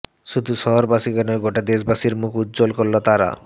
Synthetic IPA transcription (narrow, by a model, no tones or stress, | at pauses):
ʃud̪ʱuʃɔɦoɾbaʃikanoɡoʈad̪eʃbaʃiɾmukutːd͡ʑolkoɾlot̪aɾa̰